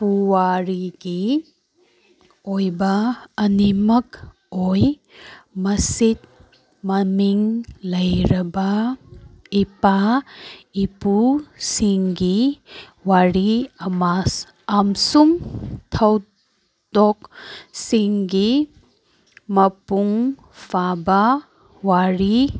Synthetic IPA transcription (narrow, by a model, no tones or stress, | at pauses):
puwaɾiɡi | ojbɐːnimɐk | oj | mɐsit̪̚ | mɐmiŋlɐjɾɐba | ipa | ipusiŋɡi | waɾiama | amsuŋt̪ʰɐw | d̪̥ɔksiŋɡi | mɐpuŋ | pʰaba | waɾi